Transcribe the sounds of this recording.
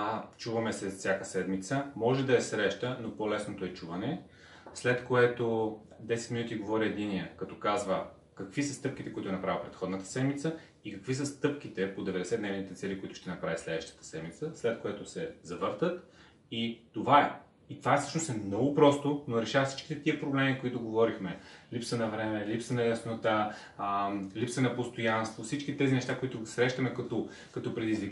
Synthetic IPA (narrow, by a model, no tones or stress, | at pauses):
t͡ʃuvɐmɛsɛzɐsʲjakəsɛd̪mit̪səmɔʒɛd̪ɐɛsɾɛʃt̪ənopolɛsnot̪oɛt͡ʃuvɐnɛ | slɛt̪koɛt̪o | d̪ɛsɛt̪minut̪iɡovɔɾiɛd̪iniəkɐt̪ɔ̥kazvə | kɐkvisəst̪ɤp̚k̟it̪ɛkoʊit̪ʊɛnɐpɾavilˠpɾɛt̪xɔd̪nət̪ə̥sɛd̪mit̪sə | ikəkvis̬əst̪ɤpkʲit̪ɛpod̪ɛvɛd̪ɛsɛd̪nɛvnit̪ɛt̪sɛlikoit̪ʊ̥ʃt̪ɛnɐpɾavislɛd̪vəʃt̪ə̥t̪ə̥sɛd̪mit̪səslɛt̪̚kojat̪ʊsɛzɐvɤɾt̪ət̪ | it̪ovaɛ | it̪ovaɛfsɤ̥ʃnosɛmnɔɡʊpɾɔst̪onoɾɛʃavɐfsi̥t͡ʃki̥t̪ɛt̪iəpɾoblɛmikoit̪ʊɡovɔɾixmɛlipsənɐvɾɛmɛlipsənɐjɐsnot̪a | lipsənɐpost̪ojanst̪vofsit͡ʃkit̪ɛzinɛʃt̪akoit̪ʊsɾɛʃt̪əmɛkɐt̪ʊ | kɐt̪ɔpɾɛd̪izvi